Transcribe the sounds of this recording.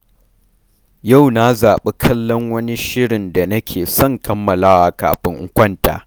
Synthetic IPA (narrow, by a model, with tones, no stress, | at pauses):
ja˦˨wna˦zaː˨ɓe˦kʰɐ˦lːɔ˦ŋwɐ˦ni˦ʃɪ˦ɽɪ˨nda˨nɐ˦kʲʰeː˨sɔ˦˨ŋkɐ˦mːɐ˨laː˦wa˨ka̰ː˨ɸɪ˦ŋʔʊ˦kʷɐ˦nta̰ː˨